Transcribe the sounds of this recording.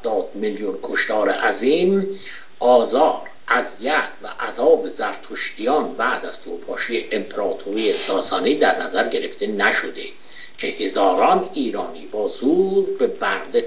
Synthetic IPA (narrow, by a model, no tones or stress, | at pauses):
d̪ɒːd̪̥miljunkʰoʃt̪ʰɒːɾḛʔæziːm | ʔɒːzɒːɾ | ʔæzijæt̪ʰvæ̰ʔæzɒːbezæɾt̪ʰoʃt̪ijɒːnbæːd̪æz̥t̪ʰoɾpʰɒːʃejeʔempʰeɾɒːt̪ʰoɾijesɒːsɒːniːd̪æɾnæzæɾɟe̞ɾeft̪e̞næʃod̪e | cʰe̞he̞zɒːɾɒːniːɾɒːniːbɒːzuːd̪be̞bæɾd̪e